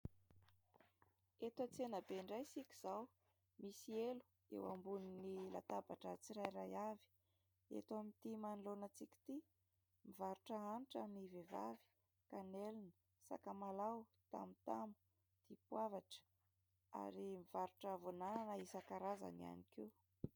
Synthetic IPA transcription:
et̪at͡senəbeɳɖ͡ʐajsikʲi̥z̥aw | misielu̥ | ḛwa̰mbuninila̰t̪abaʈ͡ʂət͡siɾajɾajavi̥ | ḛt̪amit̪imanlonat͡sikʲi̥t̪i | mivaɾuʈ͡ʂəanʈ͡ʂəniveva̰vi̥ | kanelinə | sa̰kamalawt̪a̰mit̪amu̥ | d̪̥ipwavaʈ͡ʂə̥ | a̰ɾimiv̥aɾuʈ͡ʂəvonananəisakaɾaza̰nia̰nikiw

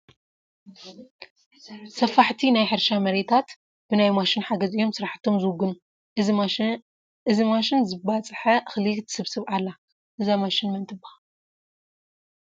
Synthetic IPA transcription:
sɐfaħt̪ʰinajħɨɾʃamɐɾe̞t̪ʰat̪ | b̥ɨnajmaʃɪnħaɡɐzijːo̞msɨɾaħt̪ʰːo̞mzɨwʊɡɨnu | ʔɨzimaʃɪnzɨbat͡sʼħɐxlit̪sɨβsɨβʕalːa | ʔɨzamaʃɪnmɐnt̪ʰʼɨba

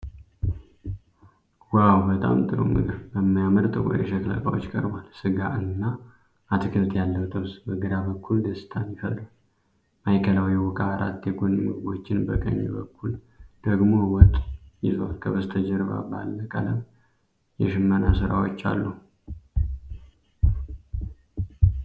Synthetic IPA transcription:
wawbət̪ʼa̰mt̪ʼɨɾo̰mɨ̰ɡɨβbəmːajaməɾt̪ʼɨwʷo̰jɛ̰ʃəkla̰kʼawo̰t͡ʃːkʼəɾbalsɨɡaʔɨnːa | ʔat̪ʰɨkʰɨβt̪ʰjalːəwt̪ʰəβsbəɡɨɾabəkːuld̪əsɨ̥t̪ʰanjɪfət̪ɾa | majkʰəlawjɛwɔkʼaɾʔa̰t̪ːjɛɡonmɨɡɨbo̞t͡ʃːɪnbəkʼə̰ɲːɛ̰bəkːul | d̪̥əɡmo̞wɔt̪ʼjɪzwalkʰəβəst̪ʰəd͡ʒɛɾba̰balːəkʼaləm | jɛʃɨmːənasɨɾawot͡ʃːa̰lːu

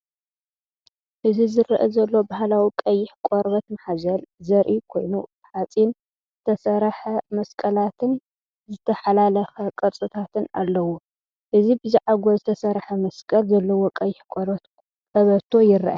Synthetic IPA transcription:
ʔɨzizɨɾʔɐzɐlːo̞bahlawikʼɐjːɪħkʷʼoɾbɐt̪mɐħazɐlzɐɾʔikʰo̞jnu | ħat͡sʼin | zɨt̪ʰɐsɐɾħɐmɐskʼɐlat̪ʰɨn | zɨt̪ʰɐħalalɐxɐkʼɐɾsʼɨt̪ʰat̪ʰɨna̰lːɐwu | ʔɨzibɨziʕaɡo̞zɨt̪ʰɐsɐɾħɐmɐskʼɐlzɐlːɐwo̞kʼɐjːɪħkʷʼoɾbɐt̪ | ɐβɐt̪ʰːo̞jɪɾʔa̰

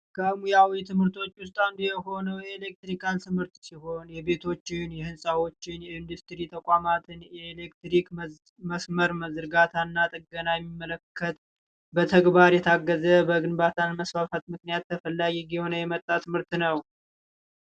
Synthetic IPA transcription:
kʰəmujawit̪ʰɨmhɨɾt̪ʰo̞t͡ʃːwʊst̪ʼand̪ujɛho̞nəwjɛelek̚t̪ɾikʰant̪ʰɨmhɨɾt̪siɦo̞njɛbe̞t̪ʰo̞t͡ʃːɪnjɛhɨnsʼawo̞t͡ʃːɪnjɛɪnd̪ust̪ɾit̪ʰəkʼamat̪ʰɨnjɛelekt̪ɾik | məsməɾməzɨɾɡat̪ʰanːat̪ʼɨɡənajɛmːimːələkʰːət̪ | bət̪ʰəɡbaɾjɛt̪ʰaɡːəzəbəɡɨnbat̪ʰanməsfafat̪mɨknijat̪ːəfəlːaɡiɡiho̞nəjɛmət̪ʼːat̪ʰɨmɨɾt̪nəw

